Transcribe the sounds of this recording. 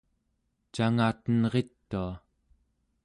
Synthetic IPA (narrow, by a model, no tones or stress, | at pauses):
t͡ʃaŋaːt̪ənʁe̞t̪ːua